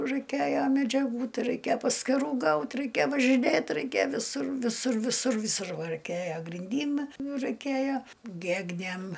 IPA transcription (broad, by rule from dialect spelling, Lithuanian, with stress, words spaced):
rɐɪˈkʲeːjɛ mʲɛd͡ʒʲɛˈɡuː ˈtɐɪ rɐɪˈkʲeːjɛ pɐsʲkʲɪˈruː ɡɐʊt rɐɪˈkʲeː ʋɐʒʲɪˈnʲeːt rɐɪˈkʲeː ʋʲɪˈsʊr ʋʲɪˈsʊr ʋʲɪˈsʊr ʋʲɪˈsʊr ʋɐ rɐɪˈkʲeːjoː ɡrʲɪnʲˈdʲiːm ˈnʊ rɐɪˈkʲeːjɛ ˈɡʲæːɡnʲeːm